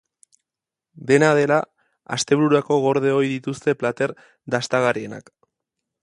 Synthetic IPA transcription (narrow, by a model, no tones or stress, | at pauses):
d̪e̞nað̞e̞la | ast̪e̞βɾuɾuako̞ɣo̞ɾðe̞o̞jðit̪ust̪e̞plat̪e̞ɾ | d̪ast̪aɣaɾie̞na̰k